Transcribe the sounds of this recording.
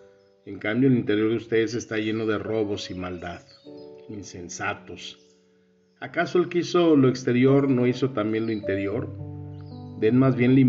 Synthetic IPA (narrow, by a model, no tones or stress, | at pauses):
e̞ŋkambjo̞elint̪e̞ɾjo̞ɾðeust̪e̞ðe̞s̬e̞st̪aʝe̞no̞ðe̞ro̞βo̞simald̪að | inse̞nsat̪o̞s | akaso̞elkeisolo̞ekst̪eɾjo̞ɾno̞iso̞t̪ambje̞nlo̞int̪e̞ɾjo̞ɾ | d̪e̞nmazβje̞nli